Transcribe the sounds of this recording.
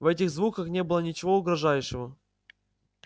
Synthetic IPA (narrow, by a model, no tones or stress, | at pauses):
vɛt̬ʲɪɣzvukəxnʲe̞bɨlˠənʲɪt͡ɕɪvo̞ʊɡɾɐʐajʊʂɪvə